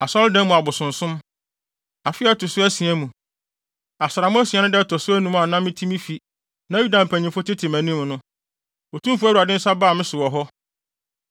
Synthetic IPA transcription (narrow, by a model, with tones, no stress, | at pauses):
a˨sɔ˦ldɛ̃˦mũ˨a˨bʊ˨sʊ̃˨n̩˨sʊ̃˦m | a˨fɪ˦ɛ˦tʰʊ˨sʊ˦æ˦si˨æ˦mũ˨ | a˨sɪ˨ɾa˨mʊ̃˦æ˦si˨ɛ̃˨˦nʊ̃˦dɛ˦tʰɔ˨sʊ˦æ˦nũ˦m˦a˨nã˦mːɪ̃˦tʰĩ˦mĩ˦fi˨ | nã˦ju˦dã˨m̩˨pʰæ̃˨ɲĩ˨fʊ˦tʰɪ˦tʰɪ̃˨mæ̃˨nĩ˦m˦nʊ̃˦ | o˨tʰũ˦fæ˦wu˨a˨dɪ̃˦n̩˦sa˦baː˦˨mɪ̃˦sʊ˨wɔ˨ɦɔ˦